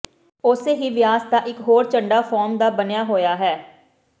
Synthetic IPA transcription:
ʊseːɦiːʋɪjaːsd̪aːʔɪkɦoːɾt͡ʃəɳɖaːpʰɔːɾmd̪aːbənɪjaːɦoːjaːɦɛː

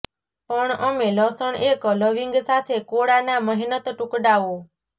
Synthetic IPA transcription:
pəɳəmeləsəɳekləʋiŋɡsat̪ʰekoɽanaməɦinət̪ʈukɖaʋo

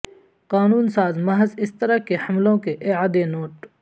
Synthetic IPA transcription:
qaːnuːnsaːzmɐɦəzɪst̪ɐɾakehɐmlõkeʔɪaːd̪enoːʈ

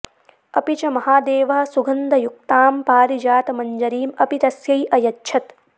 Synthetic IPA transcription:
ɐpit͡ʃɐmɐɦaːd̪eːʋɐɦɐ̆suɡʱɐnd̪ɐjuk̚t̪aːmpaːɾid͡ʒaːt̪ɐmɐɲd͡ʒɐɾiːmɐpit̪ɐsjɐjʔɐjɐtːʃʰɐt̪

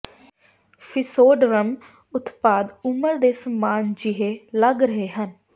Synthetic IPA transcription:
pʰɪsoːɖɾəm | ʊt̪paːd̪ʊməɾd̪eːsəmaːnd͡ʒɪɦeːləɡɾəɦeːɦən

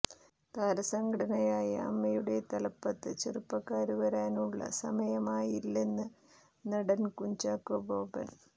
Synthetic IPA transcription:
t̪aːɾɐsɐŋɡɐɽɐnɐjaːjɐɐ̰mːɐjuɽe̞t̪ɐlɐpːɐt̪ːɨt͡ɕerupːɐkːaːɾuʋɐɾaːnuɭːɐ̰sɐmɐjɐmaːjilːe̞nːɨ | nɐɽɐnkuɲt͡ɕaːkːɐboːpɐ̰n

